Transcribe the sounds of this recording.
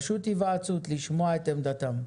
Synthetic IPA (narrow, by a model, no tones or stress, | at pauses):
ʃut̪ivaːt͡sut̪liʃmoaet̪emd̪at̪am